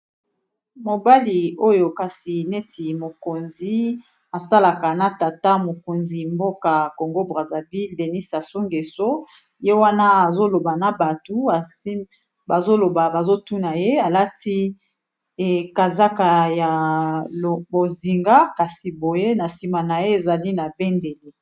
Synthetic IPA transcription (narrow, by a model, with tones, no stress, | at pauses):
mo˨ba˦li˨o˦jo˨ka˨si˨ne˦tʰi˨mo˨ko˨nzi˦ | a˨sa˦la˨ka˨na˨ta˨ta˦mo˨ko˨nzi˨mbo˦ka˨ko˨ŋɡo˦bʁa˨za˨vi˦lde˨ni˦sa˨so˦ŋɡe˨so˦ | je˦wa˦na˦a˨zo˦lo˨ba˨na˨ba˨tu˨˦a˨si˦ | ba˨zo˦lo˨ba˨ba˨zo˦tu˦na˨je˦a˨la˦ti˦ | ɛ˦ka˨za˦ka˨ja˨ | o˨bo˨zi˨ŋɡa˦ka˨si˨bo˨je˦na˨si˨ma˨na˨je˦e˨za˨li˦na˨bɛ˦nde˨li˨